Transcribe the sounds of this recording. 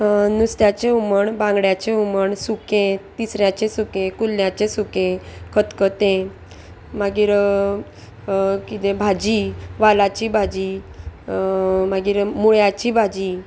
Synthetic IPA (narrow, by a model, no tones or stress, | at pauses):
nust̪jat͡ɕẽuməɳbãŋɡɽjat͡ɕeuməɳsukẽt̪isɾjat͡ɕẽsukẽkulːjat͡ɕesukẽkʰət̪kət̪ẽ | maɡiːɾ | kit̪ebʱad͡ʑiʋalat͡ɕibʱad͡ʑi | maɡiːɾmuɭjat͡ɕibʱad͡ʑi